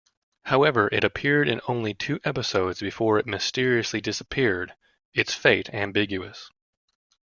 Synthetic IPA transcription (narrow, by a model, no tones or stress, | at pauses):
haʊɛvə˞ʔɪɾɨpʰɪɹɾɨ̰̃nõʊ̃nlitʰʉʔɛpɨsoʊdz̥bɨfɔɹɨt̚mɨstɪɹiɨslidɪsəpʰɪɹɾ | ɨtsfeɪɾæ̃mbɪɡjʉɨs